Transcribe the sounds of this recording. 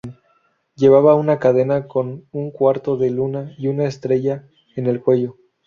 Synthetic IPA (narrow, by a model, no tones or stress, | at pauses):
n | ɟe̞β̞aβaunakað̞e̞nako̞nuŋkwaɾt̪o̞ðe̞lunaiunaest̪ɾe̞ʝa | ene̞lkwe̞ʝo̞